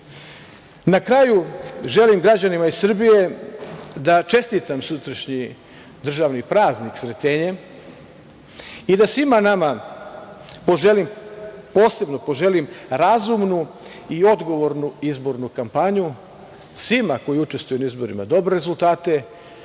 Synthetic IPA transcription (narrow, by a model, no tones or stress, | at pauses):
nakɾajuʒe̞limɡɾad͡ʑanimaisr̩bije̞ | d̪at͡ʃe̞st̪it̪amsut̪ɾaʃɲi | d̪r̩ʒaʋnipɾaːzniksɾet̪e̞ɲe | id̪asʋimanama | po̞ʒe̞limpo̞ːse̞bno̞po̞ʒe̞limɾazumnu | io̞d̪ɡo̞ʋo̞ɾnuizbo̞ɾnukampaɲu | sʋimako̞jiut͡ʃe̞st̪vujunaizbo̞ɾima̰d̪o̞bɾeɾezult̪aːt̪e̞